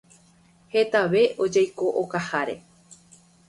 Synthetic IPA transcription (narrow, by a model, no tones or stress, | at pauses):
he̞t̪aʋe̞ʔod͡ʒajko̞ʔokahaɾe̞̰